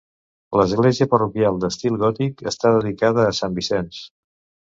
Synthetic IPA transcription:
ləzɣleziəpərukjalˠd̪əst̪ilˠɣɔt̪ikə̰st̪aðəðikaðəːsambisɛns

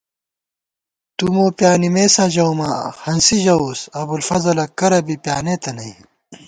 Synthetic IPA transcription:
t̪umoːpjaːnimeːsãːd͡ʑɐwmaːhɐnsiʑɐoːsɐbulfɐzɐlɐkɐɾɐbipjaːneːt̪ɐnɐi

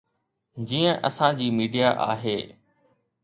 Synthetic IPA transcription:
d͡ʑiːə̃ʔɐsãd͡ʑiːmiːɖijaʔa̰ːɦeː

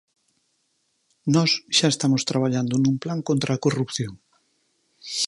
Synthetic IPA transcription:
nɔsʃaest̪amost̪ɾaβ̞aʎand̪ʊnũmplaŋkõnt̪ɾaːkorupθjoŋ

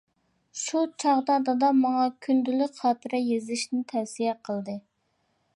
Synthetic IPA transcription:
ʃut͡ʃʰɑʁd̪ɑd̪ɑd̪ɑmɑŋɑkʲʰynd̪ylykʲχɑːt̪ʰɨɾɛjezlɪʃnɪt̪ʰɛfsijɛqʰəlˠd̪ɨ

